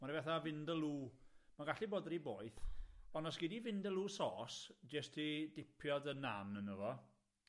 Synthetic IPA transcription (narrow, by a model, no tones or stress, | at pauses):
marivɛθavɪndəlˠuːmaɡaɬiboːdriboːɨθɔnɔsɡ̥idivɪndəlˠuːsɔːsd͡ʒəstʰidɪpʰjɔdənːanənəvɔ